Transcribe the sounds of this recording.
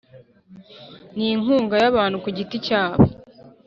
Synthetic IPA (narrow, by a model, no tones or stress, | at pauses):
niŋuːŋɡajaβaːnhukuɟiticaːβo